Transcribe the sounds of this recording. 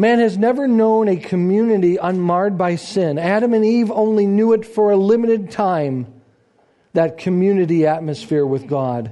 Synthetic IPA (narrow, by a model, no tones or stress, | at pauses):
mæ̃nɨznɛvə˞nõʊ̃nɨkʰɨmjʉnɨɾiʔə̃nmɑɹd̚baɪsɪ̃næɾə̃mɨ̃nivõʊ̃nlinjuɨtfə˞ɨlɪ̃mɨɾɨd̚tʰãɪ̃m | ðɨt̚kʰɨmjʉnɨɾiæt̚mɨsfɪɹwɨðɡɑd̥